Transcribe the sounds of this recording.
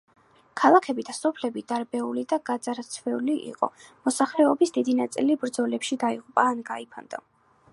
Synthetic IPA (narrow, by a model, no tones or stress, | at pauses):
kʰalˠakʰɛbid̪asɔpʰlɛbid̪aɾbɛulid̪aɡad̪zaɾt̪sʰvɛuliʔḭqʼɔ̰mɔsaχlɛɔbisd̪̥id̪inat̪sʼilibɾd̪zɔlɛpʃid̪aiʁupʼaːnɡaipʰa̰nd̪a